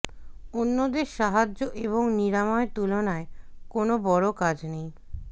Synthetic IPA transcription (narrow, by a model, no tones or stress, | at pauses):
onːod̪eɾʃaɦad͡ʑːoʔeβoŋniɾamɔet̪ulonaekonobɔɽokad͡ʑnej